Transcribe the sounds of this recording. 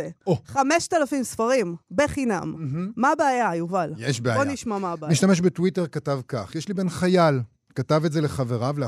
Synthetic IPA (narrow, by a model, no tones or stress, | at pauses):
eoχameʃt̪alafimsfaʁimbeχina̰mm̩ɦ̩ːabeːjajuvaljeʃbeaboniʃmamabemiʃtameʃ̬betwite̞ʁkatavkaχjeʃlibe̞nχajal | katavetzeleχaveʁavle